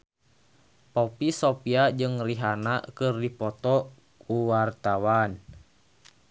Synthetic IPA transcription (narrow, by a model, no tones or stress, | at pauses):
pɔpisopiad͡ʒɨŋriɦanakɨrdipɔt̪ɔ | kuwart̪awan